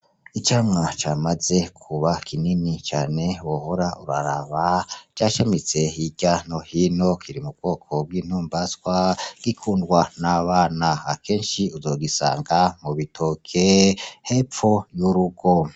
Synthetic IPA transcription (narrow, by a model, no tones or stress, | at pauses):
it͡ʃaːmŋat͡ʃamaze̞kʰuβakʰininit͡ʃaːne̞wohoɾaʔuɾa̰ɾaβad͡ʒaːʃemit͡se̞hiɟanohino̞kʰiɾimub̚ɡo̞ːkʰob̚ɡwiːn̥uːmbaskwaɡ̥ikʰuːndɡwanaβaːnaakʰe̞ːnʃiuzo̞ːɡisa̰ːŋɡamuβitʰokʰehe̞ːp͡fo̞juɾuɡo̞